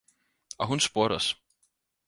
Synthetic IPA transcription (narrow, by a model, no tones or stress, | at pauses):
a̰ɦunspɔːɾa̰s